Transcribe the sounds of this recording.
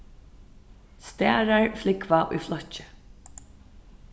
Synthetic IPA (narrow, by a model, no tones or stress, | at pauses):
st̪æːɹaɹflɪkʋaʔʊ̰jflɔt͡ʃɪ̥